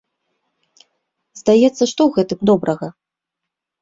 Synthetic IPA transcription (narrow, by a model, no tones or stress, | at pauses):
zd̪ajɛt̪sːɐʂt̪ɔwɣɛt̪ɨmd̪ɔbɾɐɣɐ